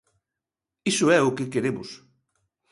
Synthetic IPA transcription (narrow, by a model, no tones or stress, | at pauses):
isʊɛʊkɪkeɾemʊ̰s